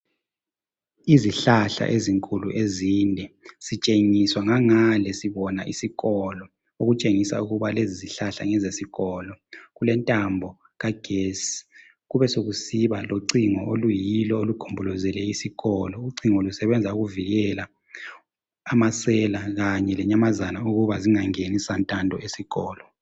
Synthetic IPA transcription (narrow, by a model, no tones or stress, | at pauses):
iziɬaɬa̰ʔeziŋkʼuluʔeziːndʱɛsit͡ʃʼeŋiswaŋaŋalɛsiβɔnaʔisiɣɔlɔ | oɣut͡ʃʼeŋisa̰uɣuβaleziziɬaɬa̰ŋɛzesiɣɔːlɔɣulɛntʼambʱɔ | ɣaɡ̥ʱesi̥ | ɣuβɛsoɣusiβaloǀiŋɔolujilɔolukʰumbʱulɔzɛlɛisiɣɔlɔuǀiŋolusɛβɛnd͡zʱauɣuviɣɛla | amasɛlaɣaɲɛlɛɲamazanauɣuβaziŋaŋenisantʼandʱɔesiɣɔːlɔ